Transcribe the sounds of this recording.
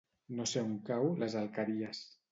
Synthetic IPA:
noseuŋkawlezalˠkaɾiəs

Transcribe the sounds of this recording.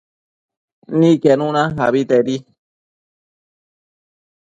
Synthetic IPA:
nĩkenũnãɦaβit̪eɾi

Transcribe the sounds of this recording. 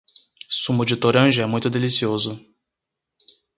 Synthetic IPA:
sũmʊd͡ʒɪt̪oɾɐ̃ʒʊɛmũj̃t̪ʊd̪elisiozʊ

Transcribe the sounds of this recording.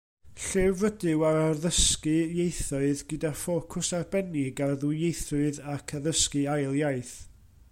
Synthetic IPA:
ɬɪvədɪwaarðəskɨjejθɔɨðɡədafoːkʰʊsarbɛnɪɡarðujejθrʊɨðakʰaðəskɨajlˠjajθ

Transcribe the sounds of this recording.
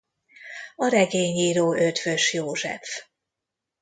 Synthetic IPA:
ɒɾɛɡeːɲiːɾoːʔø̞t̪fø̞ʃjoːʒɛ̰f

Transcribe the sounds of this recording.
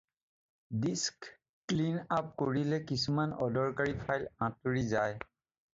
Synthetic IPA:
disk | klinap̚koɹilɛkisumanɔdɔɹkaɹipʰajlãtoɹizaj

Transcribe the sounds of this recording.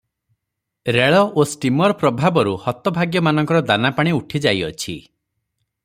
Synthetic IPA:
ɾeɭɔʔosʈimɔɾpɾɔbʱabɔɾuhɔt̪ɔbʱaɡjɔmanɔ̃ŋkɔɾɔd̪anapaɽ̃iuʈʰid͡ʒajɔt͡ʃʰḭ

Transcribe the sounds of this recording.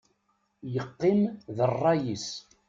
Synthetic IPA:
jəqːimðərˤːɑjis

